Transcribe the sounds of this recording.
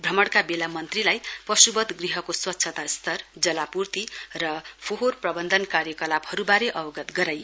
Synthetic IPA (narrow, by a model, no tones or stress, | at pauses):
brʌmʌɽkabelamʌnt̪rilajpʌsubʌd̪ɡriɦʌkoswʌt̪ːsʰʌt̪ast̪ʌrd͡zʌlapurt̪irʌpʰoɦorprʌbʌnd̪ʱʌnkaɾjʌkʌlabhʌɾubaɾeʔʌbʌɡʌt̪ɡʌɾaj